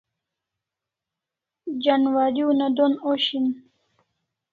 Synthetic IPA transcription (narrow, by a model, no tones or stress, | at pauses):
d͡ʑanwaɾiunad̪onoɕin